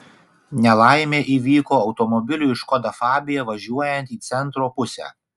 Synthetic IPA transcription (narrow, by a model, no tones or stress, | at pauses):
nʲɛlˠɑɪmʲeːʔiːʋʲiːkoːɒʊt̪ɔmɔbʲɪlʲʊːɪʃkɔd̪ɐfɑːbʲɪjɛʋɐʒʲuɔjɛnʲt̪iːt̪sʲɛnˑt̪ɾoːpʊsʲæ̰ː